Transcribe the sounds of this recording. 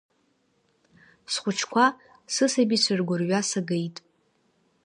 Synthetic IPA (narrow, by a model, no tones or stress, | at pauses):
sχʷʊt͡ʃʰkʷʰa | sɨsabisɨrɡʷʊrɥasaɡejtʼ